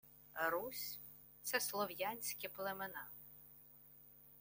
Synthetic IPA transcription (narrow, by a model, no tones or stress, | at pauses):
ɾusʲ | t̪sɛslˠɔwjanʲsʲkʲɪplˠemenɑ